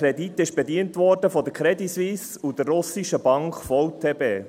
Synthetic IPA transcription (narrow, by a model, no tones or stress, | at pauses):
ɾɛditɪʃb̥ediəntʋɔɾd̥əfɔd̪əkʰɾɛdisʋiːs | ud̥ərːʊsiʃəbɑŋkfɔwt̪ʰeːbeː